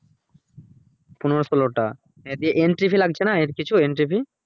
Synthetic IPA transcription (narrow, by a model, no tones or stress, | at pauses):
punoɾosoloʈa̰ | ed̪ieʔenʈɾipilaɡ̚t͡ɕʰenaeɾkit͡ɕʰueɳʈɾipʰi